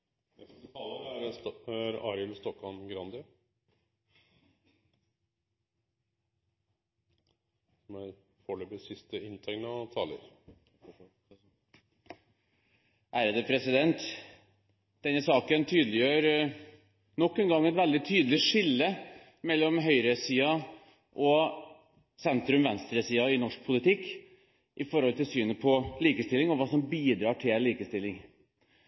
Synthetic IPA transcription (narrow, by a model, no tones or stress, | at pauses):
ɛt̪ʰɑːləɾæɾæɾɑɾəlst̪ɔkɑnɡɾɑnd̪ə | sɔmæɾfɔɭyːbəsɪst̪əɪnt̪ʰɛŋnəɑt̪ʰɑːlə̰ɾ | ʔæːɾəd̪əpʰɾɛsɪd̪ɛnt̪ | d̪̥ɛnːəsɑːkənt̪ʰyːd̪əlɪjøːɾ | nɔkːənɡɑŋːɛt̪ʋɛld̪ɪt̪ʰyːd̪əlɪʂɪlːə | mɛlːɔmɦœʏɾəsiːɑ | ʔɔ | sɛnt̪ɾʉmʋɛnst̪ɾəsiːɑɪnɔʂk̚pʰʊlɪt̪ɪkː | ʔɪfɔɾhɔlt̪ɪlsyːnəpʰɔliːkəst̪ɪlːɪŋɔʋɑːsɔmbiːd̪ɾɑːʈʰɪlliːkəst̪ɪlːɪŋ